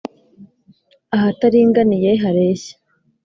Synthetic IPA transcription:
aɦataɾiːŋɡanijeɦaɾe̞ːçḁ

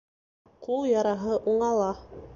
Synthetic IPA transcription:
qulˠjɑɾɑɦɤʔuɴɑlˠɑ

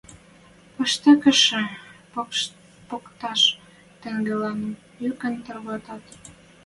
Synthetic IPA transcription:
pə̆ʃt̪ĕkə̆ʃĕ | pokt̪ɑʃ | t̪ĕŋɡelɑnə | jykə̆nt̪ə̆rɣɑt̪ɑt̪

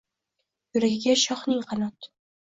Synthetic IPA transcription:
jʊɾaɡʲɪɡʲaʃɒχnɪŋqʰɑnɒt̪

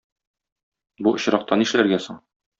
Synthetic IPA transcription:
buŏɕɾɑq̚t̪ɑniʃɘlæɾɡæsoɴ

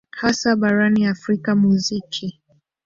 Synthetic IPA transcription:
hasaɓaɾaniafɾikamuzikʰi

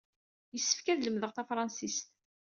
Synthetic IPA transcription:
jəsːə̥fkæðləmðəʁθæfɾˤɑnsist̪

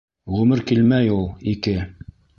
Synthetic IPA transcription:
ʁʉmɘɾkilmæjulˠikɘ

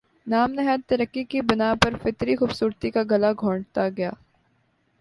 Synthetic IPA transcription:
naːmnɐɦat̪ːɐɾəkːikibɐnapɐɾfɪt̪ɾixuːbsuːɾt̪ikaɡɐlaɡʱõːɳɖt̪aɡɐjaː

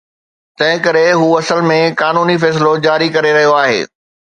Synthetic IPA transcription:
t̪ɐ̃ɦɪ̃kɐɾeɦuːɐsəlmẽkaːnuːnifɛːs̬ɪlod͡ʑaːɾikɐɾeɾɐɦijoaːɦḛː

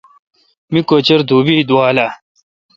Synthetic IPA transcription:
mikoːt͡ɕɐɾd̪uːbid̪uaːla

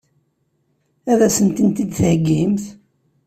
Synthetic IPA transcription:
æðæsənt̪ənt̪id̪θhəɡːimθ

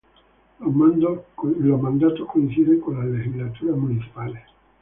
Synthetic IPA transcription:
mand̪lɔamːand̪aːt̪okoinsiɾekolaled͡ʒizlat̪uːɾamunit͡ʃi̥paːle

